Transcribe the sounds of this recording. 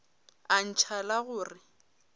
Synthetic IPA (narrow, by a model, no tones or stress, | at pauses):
an̩t͡ʃʰalaɣʊːrɪ